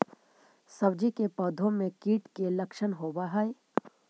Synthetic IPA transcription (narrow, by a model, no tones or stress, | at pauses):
sɐbd͡ʒikepɔːd̪ʱõmẽkiːʈkelɐkʃənɦoːbaɦai